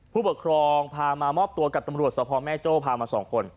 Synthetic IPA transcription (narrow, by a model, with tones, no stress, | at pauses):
pʰuː˥˩bu˨˩kʰɾɔː˧ŋpʰaː˧maː˧mɔː˥˩p̚t̪u˧ɐka˨˩t̪a˧mɾu˨˩ət̪̚sa˧pʰɔ˧mɛː˥˩t͡ɕoː˥˩pʰaː˧maː˧sɔː˩˦ŋkʰo˧n